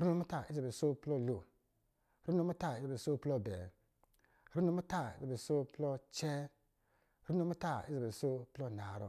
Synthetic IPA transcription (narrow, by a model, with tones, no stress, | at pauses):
ɾu˦no˧˦mu˦ta˦˨i˦za˨be˨so˦plɔ˦lo˨ | ɾu˦no˧˦mu˦ta˦˨i˦zbso˦plɔ˦˨bɛ˨ | ɾu˦no˧˦mu˦ta˦˨ḭ˦za˨be˨so˦plɔ˦t͡ʃɛ˦ | ɾu˦n˦o˧˦mu˦ta˦˨i˦za˨bso˦plɔ˦na˨ɾɔ̰˨